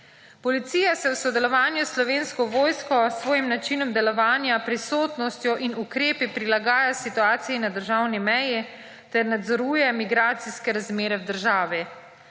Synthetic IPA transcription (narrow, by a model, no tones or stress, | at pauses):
pɔlit̪siːjasɛwsɔd̪ɛlɔʋaːnjuslɔʋeːnskɔʋoːjskɔsːʋɔːjimnat͡ʃinɔmd̪ɛlɔʋaːnjapɾisoːt̪nɔst̪jɔʔinukɾeːpipɾilaɡaːjasit̪uaːt̪sijinad̪əɾʒaːwnimɛji | t̪ɛɾnad̪zɔɾuːjɛmiɡɾaːt̪siskɛɾazmeːɾɛwd̪əɾʒaːʋi